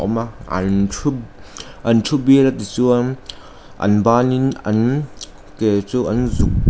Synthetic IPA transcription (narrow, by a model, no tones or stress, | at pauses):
ɔ̰maa̰ntʰu | ɐntʰubiɾat̪it͡su | ʔɐ̰nbaninɐ̰n | ket͡suʔɐnzuk̚